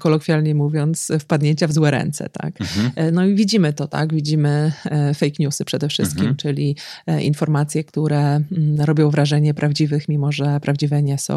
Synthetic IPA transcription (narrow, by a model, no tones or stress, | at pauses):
kɔlɔkfʲjalɲɛmuvʲjɔnt̪sfpad̪ɲeɲt͡ɕavzwɛɾɛ̰nt̪sɛ̰t̪a̰knɔivʲid͡ʑimɘt̪ɔt̪a̰ɡvʲid͡ʑimɘfɛjkɲusɘpʂɛd̪ɛfʂɘst̪̚kʲimt͡ʂɘlʲiʔḭnfɔɾmat̪sʲjɛkt̪uɾɛɾɔbʲjɔ̃w̃vɾaʐɛɲɛpɾʔavd͡ʑivɘxmʲimɔʐɛpɾavd͡ʑivɛɲɛsɔ̰̃w̃